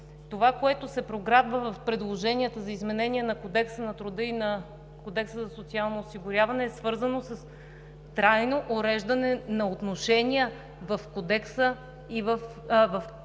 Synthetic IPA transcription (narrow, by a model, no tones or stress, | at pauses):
t̪ovakoɛt̪osɛpɾoɡɾad̪vəvɐfpɾɛd̪lˠoʒɛniət̪əzɐizmɛnɛniənɐkod̪ɛksənɐt̪ɾʊd̪ɤinɐ | kod̪ɛksəzɐsot̪sialˠnoːsiɡʊɾjavɐnɛːsvɤɾzɐnosɐs | t̪ɾajnoʔoɾɛʒd̪ɐnɛnɐot̪noʃɛniə | vɐfkod̪ɛksə | ivəf | vɐf